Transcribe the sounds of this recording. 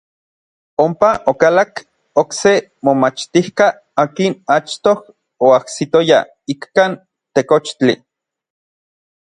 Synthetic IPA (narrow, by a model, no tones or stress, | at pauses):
ompaʔokalak | oksemomat͡ʃt̪ihka | aːkinat͡ʃt̪oh | oahsit̪oja̰ | ikkan | t̪ekot͡ʃt͡ɬi